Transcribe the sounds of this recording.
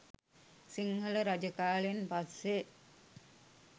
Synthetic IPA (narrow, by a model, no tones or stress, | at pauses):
siŋɦələɾad͡ʒəkaːlinpase